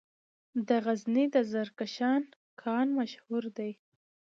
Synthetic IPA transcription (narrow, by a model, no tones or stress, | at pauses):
d̪əɣaznid̪əzaɾkaʃɑn | kʰɑnmaʃhuɾd̪aj